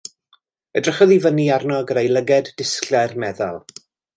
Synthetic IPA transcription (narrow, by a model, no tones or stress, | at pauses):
ədrəχɔðivəniarnɔɡəɾejlˠəɡɛdːɪsklɛrmɛða̰lˠ